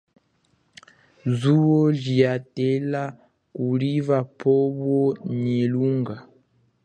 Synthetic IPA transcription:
zuɔɮiatɛla | kulivapʰɔβɔɲeluŋɡa

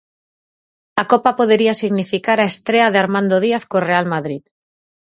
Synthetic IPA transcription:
akopapoð̞eɾiasiɣnifikaɾaest̪ɾeað̞eaɾmãnd̪oð̞iaθkorealmaðɾið

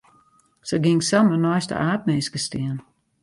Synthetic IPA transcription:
səɡɪŋsamənɔjstə̰ʔaːt̚meːskəstɪən

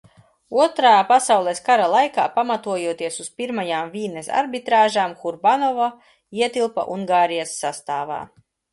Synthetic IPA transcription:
uɔt̪ɾaːpasawlˠɛskaɾalˠajkaːpamat̪uɔjuɔt̪iɛsuspiɾmajaːmviːnesa̰ɾbit̪ɾaːʒaːmxuɾbanɔva | iɛt̪ilˠpa̰ʔuŋɡaːɾijasːast̪aːva̰ː

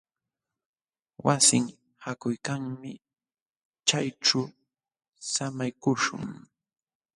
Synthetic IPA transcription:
wasɪŋ | hakʊjkaŋmɪ | t͡ʃajʈ͡ʂa | samajkʊʂʊ̰ŋ

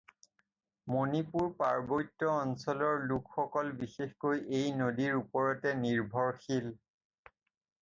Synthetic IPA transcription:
monipuɹpaɹbojtːɔɔnsɔlɔɹlukxɔkɔlbixexkojʔejnodiɹupɔɹɔtɛniɹbʱɔɹxil

